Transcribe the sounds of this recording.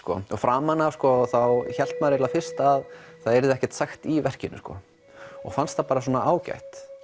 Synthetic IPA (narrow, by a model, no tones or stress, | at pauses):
kɔɔɣfɾaːmanavskɔθawçɛl̥t̪maɾɪɾlafɪr̥st̪aðθaðɛɾðɪɛhcɛ̥t̪saxt̪ivɛr̥cɪnːʏ̰skɔ̰ | ɔ̰ɣfanst̪θapaːɾaswɔːnaʔaːwca̰jht̪